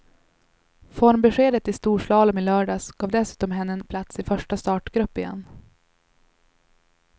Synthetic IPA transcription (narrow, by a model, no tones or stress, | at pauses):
fɔɾmbɛɧeːd̪ət̪ːɪst̪uːʂlɑːləmɪlœːɖɑːsɡ̥ɑːvd̪ɛsʉ̟ːt̪ɔmɦɛnːənpʰlat̪sɪfœʂʈast̪ɑːʈɡ̥ɾɵpːɪjɛ̰nː